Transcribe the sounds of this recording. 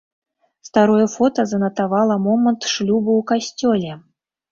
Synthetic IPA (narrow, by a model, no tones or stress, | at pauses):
st̪aɾɔjɛfɔt̪ɐzɐnɐt̪avalˠɐmɔmənt̪ʂlʲubuːkasʲt͡sʲɔlʲɛ